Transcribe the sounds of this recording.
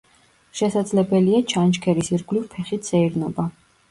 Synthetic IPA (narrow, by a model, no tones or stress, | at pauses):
ʃɛsad̪zlɛbɛliat͡ʃʰant͡ʃkʰɛɾisiɾɡliɾpʰɛχit̪ʰsɛiɾnɔba